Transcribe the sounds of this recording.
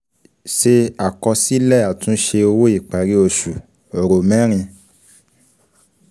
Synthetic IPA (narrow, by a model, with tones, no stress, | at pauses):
ʃe˧a˨kɔ˧si˦lɛ˦˨a˨tũ˨˦ʃe˧o˧wo˦i˦˨k͡pa˨ɾi˦o˦˨ʃu˨ | o˨ɾo˨mɛ̃˨˦ɾ̃ĩ˧